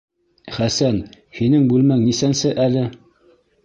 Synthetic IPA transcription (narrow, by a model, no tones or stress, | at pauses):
χæsæn | hinɘŋbʉlmæŋnisænsɘʔælɘ